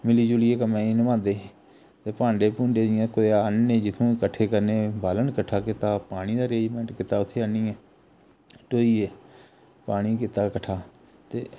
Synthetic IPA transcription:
mɪliːd͡ʒʊlɪeːkəmẽːiːnəmãːnd̪eː | t̪eːpãːɳɖeːpũːɳɖeːd͡ʒɪjãːkoaːnːeːd͡ʒɪt̪ʰõːkəʈʰːeːkəɾneːbaːlənkəʈʰːaːkɪt̪aːpaːɽ̃iːd̪aːɾeːd͡ʒmɛ̃ːɳʈkɪt̪ːaːʊt̪ʰːeːaniːɛː | ʈoːiːɛː | paːɽ̃iːkɪt̪aːkəʈʰːaː | t̪eː

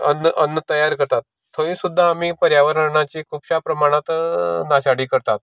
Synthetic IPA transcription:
ənʔənːət̪əjaɾkəɾt̪at̪ːʰəʋĩːsud̪ʱːaːmiːpəɾjaʋəɾəɾɳat͡ɕikʰupɕapɾəmaɽ̃at̪naɕaɽiːkəɾt̪at̪

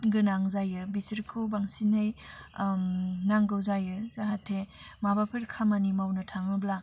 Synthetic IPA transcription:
ɡɯnaŋzajɯbisiɾkʰobaŋsinaj | naŋɡɯwzajɯzaɦatʰemabapʰɯɾkʰamanimawnɯtʰamɯbla

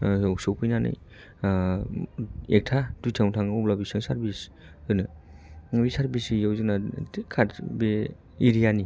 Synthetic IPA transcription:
jawsowpʰɯjnanɯ̰j | ek̚tʰad̥ujtʰaŋtʰaŋɔplabisɯŋsaɾbis | ɯjnɯ | bisaɾbisijawzɯnakʰatbe | iɾijani

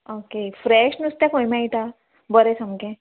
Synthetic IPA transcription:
okefɾeɕnust̪jakojmait̪a | bəɾesəmkẽ

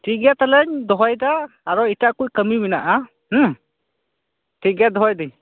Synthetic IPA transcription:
tiɡɛtalɛɲdɔɦajdaː | ɾɔitaʔkujkəmiminaʔa | tiɡɛdɔɦajdi

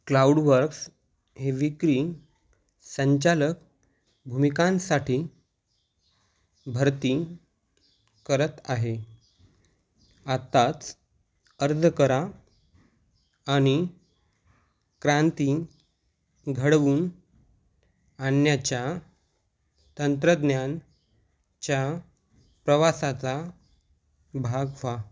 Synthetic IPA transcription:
klauɽʋəɾks | ɦeʋikɾiː | səɲt͡ɕalək | bʱumikãnsaʈʰiː | bʱəɾt̪i | kəɾət̪aɦe | at̪at͡s | əɾd̪ʱəkəɾa | ɽ̃i | kɾãnt̪i | ɡʱəɽʋuːn | anjat͡ɕja | t̪ənt̪ɾəd̪njan | t͡ɕja | pɾəʋasat͡sa | bʱaɡʋa

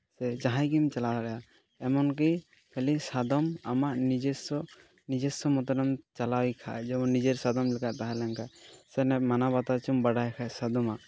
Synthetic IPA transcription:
sɛd͡ʒaɦãjɡimt͡ʃalaaɾɛja | ɛmɔnkij | pʰɛlisad̪ɔma̰maʔnid͡ʒɛsɔ | nid͡ʒɛsɔmɔt̪ɔɾɔmt͡ʃalawjkʰa̰ʔd͡ʒɛbɔnːid͡ʒɛɾsad̪ɔmlɛkaʔt̪aɦalaŋkasɛnɛmanabat̪at͡ʃɔmbaɽajkʰasad̪ɔma

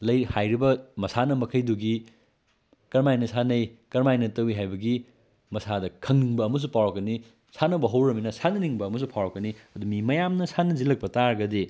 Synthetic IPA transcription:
lɐjhajɾibɐmɐsanɐmɐkʰɐjduɡi | kɐɾmajnɐsʰanɐjkɐɾmajnɐtɐwiɦajbɐɡi | mɐsadɐkʰɐŋniŋbɐːmɐs̬upawɾɐkːɐni | sanɐbɐɦɐwɾɐminɐsanɐniŋbɐːmɐs̬upʰawɾɐkːɐniɐdumimɐjamnɐsʰanɐzilɐk̚pɐtaɾɡɐde

